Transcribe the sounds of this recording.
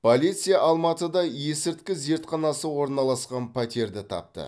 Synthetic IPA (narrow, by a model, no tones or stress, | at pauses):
pʰolʲijt̪sɨjɑʔɑlˠmɑt̪əd̪ɑje̞sɪɾt̪̚kʲɪze̞ɾt̪qʰɑnɑsəwo̞ɾnɑlˠɑsqɑnpʰæt̪e̞ɾd̪ɪt̪ʰɑ̰p̚t̪ə̰